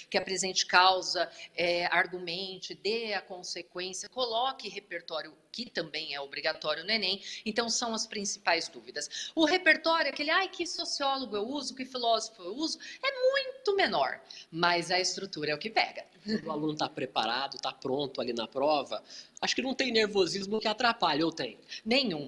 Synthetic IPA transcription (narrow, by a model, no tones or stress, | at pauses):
kɪɐpɾezẽnt͡ʃɪ̥kawzɐɛaɾɡumẽnt͡ʃɪd̪eɐkõsekwẽsiɐkolɔkɪɦepeɾt̪ɔɾjʊ | kɪt̪ɐ̃mbẽj̃ɛobɾiɡat̪ɔɾjʊnʊenẽj̃ẽnt̪ɐ̃w̃sɐ̃w̃ɐspɾĩsi̥pajzd̪uvid̪ɐsʊɦepeɾt̪ɔɾjʊakelɪajkɪsosiɔloɡʊewuzʊkɪfilɔzofʊewuzʊɛmũj̃t̪ʊmenɔ̰ɾmɐzɐɪst̪ɾut̪uɾɐɛʊkɪpɛ̰ɡɐ | ʊalũnʊt̪apɾepa̰ɾad̪ʊt̪apɾõnt̪ʊalinɐpɾɔvɐaʃʊkɪnɐ̃w̃t̪ẽj̃neɾvozizmʊkɪat̪ɾapaʎowt̪ẽj̃nẽɲ̃ũ